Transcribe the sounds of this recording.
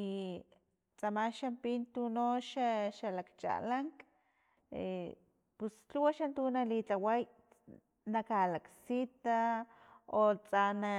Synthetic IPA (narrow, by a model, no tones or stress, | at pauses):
i | t͡samaʃampint̪unoʃaʃalakt͡ʃa̰laŋk | e | pust͡ɬuwaʃant̪unalit͡ɬawaj | nakalaksit̪a | ot͡sana